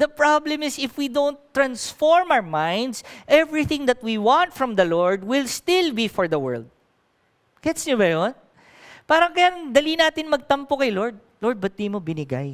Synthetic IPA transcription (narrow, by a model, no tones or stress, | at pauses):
d̪ɐpɹablɛmɪsɪfwid̪ownt̪ːɹɐnsfoɹmawɹmãjnd̪sʔɛvɹɪθɪ̃ŋd̪ɐt̪̚wiwãnt̪fɹɐ̃md̪ɐloɹd̪wɪlst̪ɪlbifɔɹd̪ɐwɛ̰ɹld̪̚ | ɡ̥ɛt̪sɲobɐjon | paːɾɐŋkɐjad̪ɐlinaːt̪ɪnmɐɡ̚t̪ɐmpokɐjloɹd̪̚lɔɹd̪̚bɐt̪imobɪnɪɡa̰j